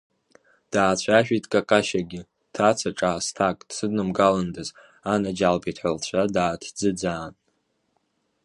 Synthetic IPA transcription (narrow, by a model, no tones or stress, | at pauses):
d̥aːt͡ɕʷʰaʃᶣitʼkʼakʼaʃaɡʲɪ | tʰat͡sʰaʈ͡ʂʼastʰakʼd̥sɨdnɨmɡalɨndɨz | anad͡ʒalbitʰħʷalt͡ɕʷʰadaːtʰd͡zɨd͡zaːn